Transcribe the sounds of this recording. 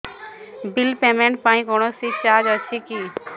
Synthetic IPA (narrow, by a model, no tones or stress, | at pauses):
bɪlpeːmẽɳʈ̚paːĩkoːɽ̃osit͡ʃaːd͡ʒəʃʰikiː